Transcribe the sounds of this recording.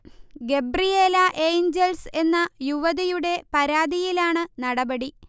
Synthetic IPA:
ɡe̞brijeːlɐʔejɲd͡ʑelse̞nːɐjuʋɐðijuɽe̞pɐɾaːd̪ijilaːɳɨnɐɽɐbɐɽi

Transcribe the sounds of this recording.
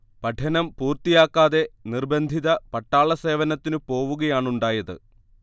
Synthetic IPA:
pɐʈʰɐnɐmpuːrt̪ijaːkːaːðe̞nirbɐnd̪ʱiðɐpɐʈːaːɭɐse̞ːʋɐnɐt̪ːinɨpo̞ːʋuɣɐjaːɳuɳɖaːjɐðɨ̰

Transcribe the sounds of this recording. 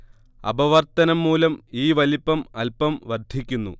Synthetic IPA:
ɐ̰bɐʋɐrt̪ɐnɐmːuːlɐmiːʋɐlipːɐmɐlpɐmʋɐrd̪ʱikʲːunːṵ

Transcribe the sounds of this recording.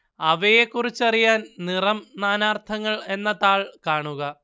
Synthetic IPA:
ɐʋeje̞kːurit͡ɕːɐrijaːnnirɐmnaːnaːrt̪ʰɐŋːɐɭe̞nːɐt̪aːɭkaːɳuɣɐ

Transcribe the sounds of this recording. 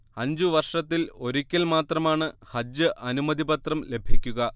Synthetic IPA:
ɐɲd͡ʑuʋɐrʂɐt̪ːilo̞ɾukʲːɐlmaːt̪rɐmaːɳɨhɐd͡ʑɨʔɐnumɐd̪ibɐt̪rɐmle̞bʱikʲːuɣɐ

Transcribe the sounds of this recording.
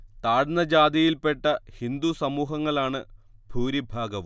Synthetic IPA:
t̪aːɽnːɐd͡ʑaːd̪ijilpe̞ʈːɐhind̪usɐmuːɦɐŋːɐɭaːɳɨbʱuːɾibʱaːɡɐʋu

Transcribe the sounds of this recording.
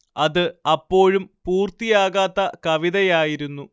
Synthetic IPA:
ɐðɨɐpːo̞ːɻumpuːrt̪ijaːɣaːt̪ːɐkɐʋiðɐjaːjiɾunːu

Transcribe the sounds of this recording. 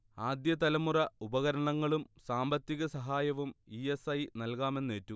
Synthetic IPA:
aːd̪jɐt̪ɐlɐmurɐubɐɣɐɾɐɳɐŋːɐɭumsaːmbɐt̪ːiɣɐsɐɦaːjɐʋumie̞sɐjnɐlkaːme̞nːeːtːu

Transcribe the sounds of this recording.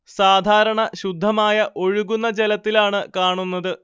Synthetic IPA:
saːd̪ʱaːɾɐɳɐɕud̪ʱːɐmaːjɐʔo̞ɻuɣunːɐd͡ʑelɐt̪ːilaːɳɨkaːɳunːɐðɨ

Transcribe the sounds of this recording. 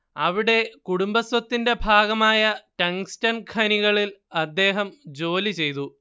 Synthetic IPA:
ɐʋiɽe̞kuɽumbɐswɐt̪ːinde̞bʱaːɡɐmaːjɐʈɐŋstɐnkʰɐniɣɐɭilɐd̪ːe̞ːɦɐmd͡ʑo̞ːlit͡ɕe̞jt̪̬u

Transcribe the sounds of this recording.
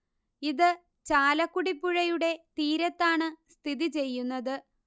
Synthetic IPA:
iðɨ | t͡ɕaːlɐkːuɽipːuɻɐjuɽe̞t̪iːɾɐt̪ːaːɳɨst̪ʰiðit͡ɕe̞jːunːɐðɨ

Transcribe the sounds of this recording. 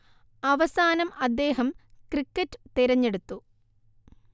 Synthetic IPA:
ɐʋɐsaːnɐmɐd̪ːe̞ːɦɐmkrikːɐtːɨ̥t̪iɾɐɲːe̞ɽut̪ːu

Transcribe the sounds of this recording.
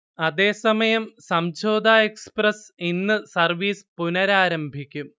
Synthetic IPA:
ɐðe̞ːsɐmɐjɐmsɐmd͡ʑo̞ːd̪aːeksprɐsinːɨsɐrʋiːspunɐɾaːɾɐmbʱikʲːum

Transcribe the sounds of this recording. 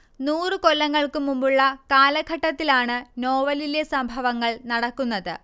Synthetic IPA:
nuːrɨko̞lːɐŋːɐɭkɨmumbuɭːɐkaːlɐɡʱɐʈːɐt̪ːilaːɳɨno̞ːʋɐlilesɐmbʱɐʋɐŋːɐɭnɐɽɐkːunːɐðɨ̰

